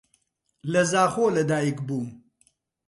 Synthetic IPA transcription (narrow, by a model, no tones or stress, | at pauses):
lɐzaːxoːlɐd̪aːikbuːm